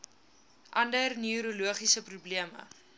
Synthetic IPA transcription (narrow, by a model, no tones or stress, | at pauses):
ʔɐndərniuɾuluəχisəprubliəmə̰